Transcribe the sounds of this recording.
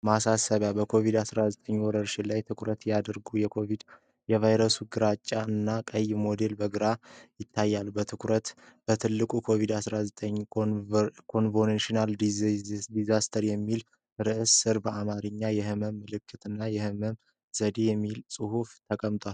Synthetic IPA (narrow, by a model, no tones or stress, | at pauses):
masasəβjabəkʰo̞vid̪asɾazət̪ʼəɲːwɔɾəɾʃilajt̪ʰɨkʰʷɾət̪jad̪əɾɡujɛkʰo̞vid̪ | jɛvajɾəsuɡɨɾat͡ʃʼːaɨnːakʼəjmo̞d̪e̞lbəɡɨɾajɪt̪ʰːajːalbət̪ʰɨkʰɾət̪b̥ət̪ʰɨlːɨkʼukʰo̞vid̪asɾazət̪ʼəɲ | kʰo̞nvonenʃinaldd̪izast̪ʰəɾjɛmːil | ɾɨʔɨsɨɾbəʔamaɾɨɲːajɛhɨməmːɨlɨkːɨt̪ɨnːajɛhɨməm | z̥əd̪e̞jɛmːilsʼɨhuft̪ʰəkʼəmt̪ʼal